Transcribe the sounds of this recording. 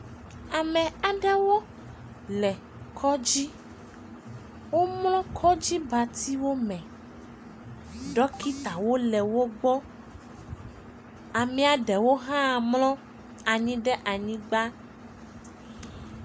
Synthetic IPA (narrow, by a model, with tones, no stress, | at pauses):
a˨mɛ̃˨a˨ɖɛ˦wo˦ | lɛ˨ | kʰɔ˦d͡ʑi˦ | wo˦mlɔ̃˦kʰɔ˦d͡ʑi˦ba˨t̪i˦wo˦mɛ̃˨ | ɖɔ˦ki˦t̪a˨wo˦lɛ˨wo˦ɡ͡bɔ˦ | a˨mĩ˦a˨ɖɛ˨wo˦ɦã˦˨mlɔ̃˦ | a˨ɲĩ˦ɖɛ˦ʔa˨ɲĩ˦ɡ͡ba˦